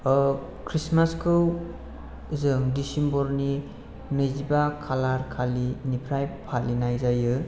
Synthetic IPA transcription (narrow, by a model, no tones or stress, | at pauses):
kʰɾismaskʰɯw | zɯŋdisimbɔɾni | mɯzibakʰalaɾkʰalinipʰɾajpʰalinajzajɯ